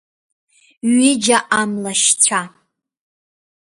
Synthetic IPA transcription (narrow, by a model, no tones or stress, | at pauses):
ɥɪd͡ʒaʔamlaʃt͡sʷʰa